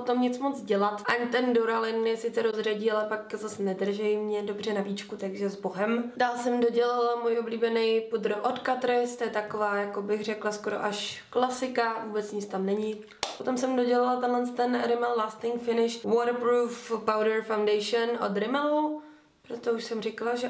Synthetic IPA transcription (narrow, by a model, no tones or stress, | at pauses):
pot̪o̞mɲɪt͡smot͡sɟɛlat̪ʔaɲt̪ɛndoɾalɪnmɲɛsɪt͡sɛɾozraɟiːalɛpakzasnɛdr̩ʒɛjmɲɛdobr̝ɛnaviːt͡ʃkut̪aɡʒɛzbo̞ɦɛmdaːlsɛmdo̞ɟɛlalamuːjʔobliːbɛnɛjpud̪ɾ̩ʔot̪kat̪ɾɪst̪ojɛt̪akovaːjakobɪxr̝ɛklaskoɾo̰ʔaʃklasɪkavuːbɛt͡sɲɪt͡st̪amnɛɲɪ | pot̪o̞msɛmdo̞ɟɛlalat̪ɛnlɛnst̪ɛnɾɪmɛllaːst̪ɪŋkfɪnɪʃwoːt̪pɾuːfpawdɛɾfawndɛjʃɛnʔo̰d̪ɾɪmɛlo | pɾot̪ouʃsɛmrɪkalaʒɛ